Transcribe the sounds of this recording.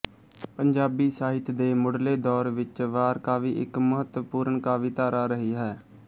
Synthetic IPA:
pəɲd͡ʒaːbiːsaːɦɪt̪d̪eːmʊɽleːd̪ɔːɾʋɪt͡ʃʋaːɾkaːʋiːʔɪkməɦət̪ʋəpuːɾɳkaːʋɪt̪aːɾaːɾəɦiːɦɛː

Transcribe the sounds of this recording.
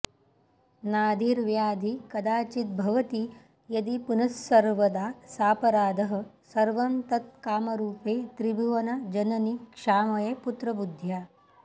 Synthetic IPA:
naːd̪ʱiːɾʋjaːd̪ʱikɐd̪aːt͡ʃit̪̚bʱɐʋɐt̪i | jɐd̪ipunɐsːɐɾʋɐd̪aːsaːpɐɾaːd̪ʱɐɦɐ̆ | sɐɾʋɐnt̪ɐt̪̚kaːmɐɾuːpeːt̪ɾibʱuʋɐnad͡ʒɐnɐnikʂaːmɐjeput̪ɾɐbud̪ʱjaː

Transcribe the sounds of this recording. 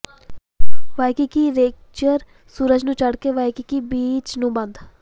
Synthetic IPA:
ʋajkikiɾeːk̚ | t͡ʃəɾ | suːɾəd͡ʒnũːt͡ʃəɽkeʋaːjkikibiːt͡ʃnũːbə̃nd̪

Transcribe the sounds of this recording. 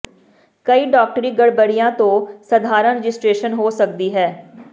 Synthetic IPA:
kəiːɖaːk̚ʈɾiːɡəɽbəɽɪjãːt̪õːsəd̪ʱaːɾə̃nɾɪd͡ʒɪsʈɾeːʃənɦoːsəkd̪iːɦɛː

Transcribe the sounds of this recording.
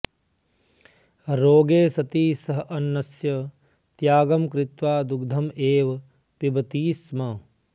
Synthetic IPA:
ɾoːɡeːsɐt̪iːsɐɦɐnːɐsjɐ | t̪jaːɡɐmkɾɪt̪ʋaːd̪uɡ̚d̪ʱɐmeːʋɐ | pibɐt̪iːsmɐ

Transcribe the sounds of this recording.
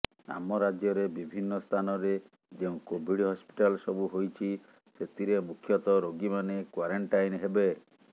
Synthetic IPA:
a̰mɔɾad͡ʒjɔɾebibʱinːɔst̪ʰanɔɾe | d͡ʒeũkobʱiɽiɦɔspi̥ʈalsɔbuɦojt͡ʃʰi | set̪ʰiɾemukʰjɔt̪ɔɾoɡimanekwaɾeɳʈajnɦebe

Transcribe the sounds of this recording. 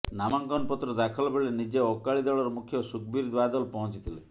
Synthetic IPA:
namaŋkɔnpɔt̪ɾɔd̪akʰɔlbeɭenid͡ʒeɔkaɭid̪ɔɭɔɾɔmukʰjɔsukbiɾd̪wad̪ɔlpɔɦɔ̃t͡ʃit̪ʰile

